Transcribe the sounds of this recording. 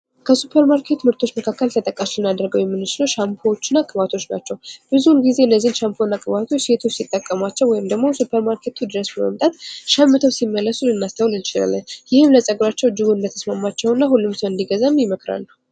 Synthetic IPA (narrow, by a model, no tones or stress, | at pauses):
kʰəsupʰeɾmaɾkʰe̞t̪mɨɾt̪ʰot͡ʃːməkʰakːəlt̪ʰət̪ʼəkʼːasɨnad̪ɾəɡəwjɛmːɨnːɨt͡ʃɪləwʃampʰot͡ʃːɪnːakʼɨβat̪ʰo̞t͡ʃːna̰t͡ʃːɛwb̥ɨzuulɡizenːəzːinʃampʰonːakʼɨβat̪ʰo̞t͡ʃːse̞t̪ʰo̞t͡ʃːsit̪ʼːəkʼːəmat͡ʃːɛwːɔjɪmd̪əɡmo̞supʰeɾmaɾkʰe̞t̪ʰud̪ɨɾəsbəmə̰mt̪ʼat̪ʃɛmːɨt̪ʰəwsimːəlːəsulɨnːast̪ʰəwlɨnt͡ʃɪla̰lːənjɪhɨmləsʼəɡɾat͡ʃːɛwd͡ʒɨɡuɨnd̪ət̪ʰə̥smamːat͡ʃːɛwɨnːaɦulːɨmsəwɨnd̪iɡəzamjɪməkɾa̰lːəw